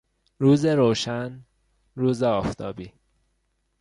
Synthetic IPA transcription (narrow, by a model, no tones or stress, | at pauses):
ɾuːzeɾoːʃæn | ɾuːzeɒːft̪ʰɒːbiː